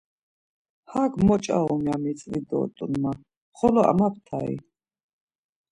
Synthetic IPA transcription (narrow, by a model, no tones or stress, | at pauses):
haɡmɔt͡ʃʼa̰ɔmiamit͡sʼvid̪ɔ̰t̪ʼunma | χɔlɔa̰map̚ʰt̪ʰaḭ